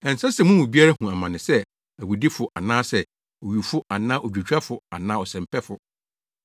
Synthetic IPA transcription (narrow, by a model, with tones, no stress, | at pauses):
ɛ̃˨n˨sa˦sɛ˨mʊ̃˦wũ˨bi˦a˦ɾa˦ɦũ˨a˨mã˨nɪ̃˨sɛ˦ | æ˨wu˨di˦fʊ˨ʔa˨nãː˦sɛ˦ | o˨ɥu˨fʊ˦ʔa˨nãː˦ʔɔ˨d͡ʑᶣu˨t͡ɕᶣa˦fʊ˨a˨nãː˦ɔ˨sɛ̃˨m˨pʰɛ˦fʊ˨